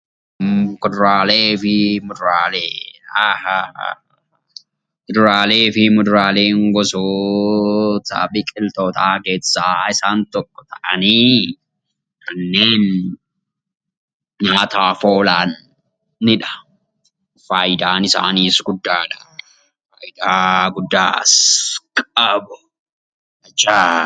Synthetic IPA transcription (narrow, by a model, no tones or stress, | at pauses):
kʊd̪ʊɾaːleːfɪmʊd̪ʊɾaːleːah | kʊd̪ʊɾaːle̞ːfɪmʊd̪ʊɾaːle̞ːŋɡɔso | t̪a̰ːbɪkʼɪlt̪oːt̪ʰaːɡe̞ːsːaːɪsaːnt̪ɔkːɔ̥t̪ɐʔɐniː | kʰɐnːe̞ːn | ɲɐːɐt̪aːfoːlaːnː | ɪᶑɐ̥ | faːjd̪aːnɪsa̰ːniːsɡʊd̪ːaːᶑɐ | faːjd̪aːɡʊd̪ːaːskʼɐbʊ | ɐt͡ʃːaː